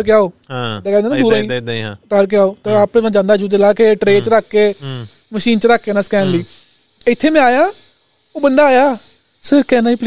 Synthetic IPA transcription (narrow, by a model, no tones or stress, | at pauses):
ɾkɪaːoːt̪eːkɛ̃ːnd̪eːnaːd̪uːɾãːĩːt̪əɾk̬ɪaːoːt̪eːaːpeːmɛ̃ːd͡ʒãːnd̪aːd͡ʒud͡ʒəlaːkeʈɾeːt͡ʃəɾaːkːeː | məʃiːnt͡ʃəɾaːkːeːnãːskɛːnliː | ɪt̪ʰːeːmɛ̃aːjaː | oːbənd̪aːjaː | sɪɾkɛːnaːiːpl